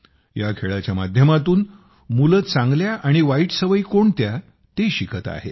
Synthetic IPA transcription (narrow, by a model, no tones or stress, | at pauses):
jakʰeɭat͡ɕjamad̪ʱjəmat̪uːn | mulət͡sãŋɡljaʔaɽ̃iʋaiːʈsəʋəjikoɳt̪ja | t̪eɕikʰət̪a̰ɦḛ